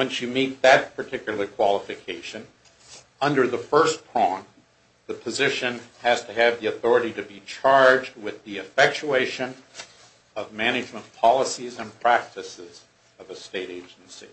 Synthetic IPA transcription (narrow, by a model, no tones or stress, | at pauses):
wɨ̃nsjɨmit̪̚ðɨt̚pʰə˞tʰɪkjl̩ˠə˞kʰw̥ɑlˠəfɨkʰeɪʃɨ̃n | ʌ̃ndə˞ðəfɜ˞spʰɹ̥ɔ̃n | ðɨpʰɨzɪʃɨ̃nɨz̥tʰɨːvðiɨθɔɹɨɾiɾɨbit͡ʃʰɑɹd͡ʒd̚wɪðiɨfɛk̚t͡ʃueɪʃɨ̃n | ʌvmæñɨd͡ʒmə̃npʰɑlˠəsizɨ̃npʰɹ̥æk̚tɨsɪz | ʌvɨsteɪɾeɪd͡ʒn̩sḭ